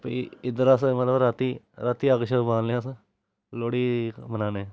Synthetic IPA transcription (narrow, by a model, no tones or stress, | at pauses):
pəɪd̪əɾaːsmət̪ləbɾaːt̪iː | ɾaːt̪iːaɡʃəbãːnleas | loːɽiːmənaːneː